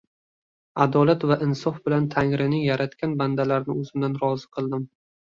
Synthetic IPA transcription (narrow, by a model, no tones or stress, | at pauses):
ad̪ɒlat̪vaʔɪnsɒfbɪlant̪ʰaŋɾɪnɪŋjaɾat̪kʲanband̪alaɾnɪɵzɪmd̪anɾɒzɨqʰɨlˠd̪ɪm